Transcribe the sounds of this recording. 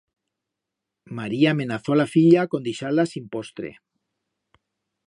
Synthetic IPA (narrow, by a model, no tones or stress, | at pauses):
maɾiaːmẽ̞naθolafiʎako̞nd̪iʃalasimpost̪ɾḛ